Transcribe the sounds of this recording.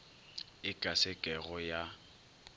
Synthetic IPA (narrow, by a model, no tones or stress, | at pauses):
ɪkʼasɛkʼɛɣɔja